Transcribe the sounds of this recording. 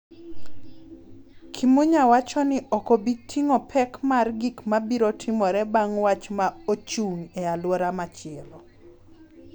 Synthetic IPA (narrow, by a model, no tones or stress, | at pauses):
kʰimuɲawat͡ʃɔnɪʔɔkobitʰiŋɔpʰɛkmarɡikmabiɾotʰɪmɔɾɛbaŋwat͡ʃmaot͡ʃuŋɛalwɔɾamat͡ʃɪɛlɔ